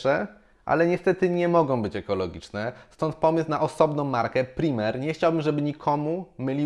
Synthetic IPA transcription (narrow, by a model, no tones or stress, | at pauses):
ɛ | ʔa̰lɛɲɛst̪ɛt̪ɘɲɛmɔɡɔ̃w̃bɘt͡ɕɛkɔlɔɡʲit͡ʂnɛst̪ɔnt̪̚pɔmɘsnaʔɔsɔbnɔ̃w̃mːaɾkɛpɾʲimɛɾɲɛxt͡ɕawbɘmʐɛbɘɲikʰɔmumɘlʲi